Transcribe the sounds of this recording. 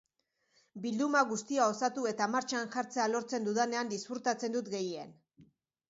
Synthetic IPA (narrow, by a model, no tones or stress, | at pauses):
bild̪umaɣust̪iao̞sat̪ue̞t̪amaɾt͡ʃanʝaɾt͡se̞alo̞ɾt͡se̞nd̪uðane̞and̪isfuɾt̪at͡se̞nd̪ut̪ɡe̞jḛn